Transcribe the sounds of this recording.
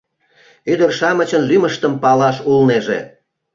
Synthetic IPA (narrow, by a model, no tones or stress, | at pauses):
yd̪ərʃɑmət͡ɕənlyməʃt̪əmpɑlɑʃulneʒḛ